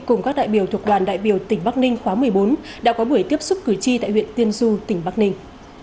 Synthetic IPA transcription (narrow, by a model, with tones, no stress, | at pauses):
kʊ˨˩ŋ͡mkaː˦˥k̚ɗa̰ː˧˨jɓi˧˩əwt̪ʰu˨˩ək̚ɗwaː˨˩nɗa̰ː˧˨jɓi˧˩əwt̪ï˩ŋ̟ɓa˦˥k̚nï˧ŋ̟xwaː˨˦mɨ˨˩əjɓo˨˦nɗa̰ː˧˥kɔ˨˦ɓu˧˩əjt̪i˦˥əp̚sʊ˦˥k͡p̚kɨ˧˩t͡ɕi˧t̪a̰ː˧˨jhwḭ˧˨ə˨nt̪i˧ənzu˧t̪ï˧˩ŋ̟ɓa˦˥k̚nï˧ŋ̟